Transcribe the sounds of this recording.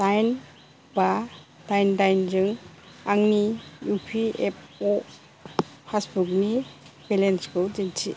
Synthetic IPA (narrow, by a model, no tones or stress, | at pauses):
tajn | badajndajnd͡ʒɯŋ | aŋnijupʰiep̚ʰɔ | pʰasbuknibelenskɯwd͡ʒintʰi